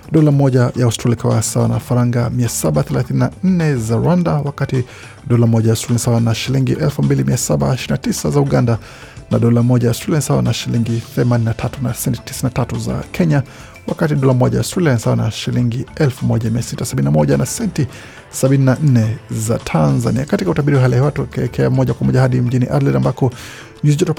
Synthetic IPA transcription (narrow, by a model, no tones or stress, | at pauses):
ɗɔlamɔʄajaɔstɾalikawasawa̰nafaɾaŋɡamiasaɓaθɛlaθininan̩nɛzaɾwandawakati | ɗɔlamɔʄajastɾalinsawanaʃiliŋɡiʔɛlfumbilimiasaɓa̰ʃiɾinatisazauɠanda | naɗɔlamɔʄajastɾaliansawa̰naʃiliŋɡiθɛmaninatʰatunasɛnti̥ti̥sinatatuza̰kʰɛɲa | wakatiɗɔlamɔʄajastɛlinsawanaʃiliŋɡiɛlfumɔʄamiasitasaɓininamɔʄanasɛnti | saɓininan̩nɛza̰tʰanzaniakatikautaɓiɾiwaɦalɛiwatukɛɛkʰɛamɔʄakwamɔʄahaɗim̩ʄiniʔadlɛdambakɔ | ɲiziʄɔtɔ